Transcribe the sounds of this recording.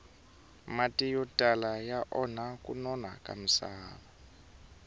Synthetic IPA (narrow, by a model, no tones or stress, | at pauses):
matʼijɔtʼalajaʔɔnakʼunɔna̰kʼa̰m̩saːβa